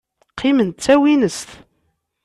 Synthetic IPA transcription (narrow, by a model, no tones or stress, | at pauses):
qʰːimənt̪t͡sːæwinəst̪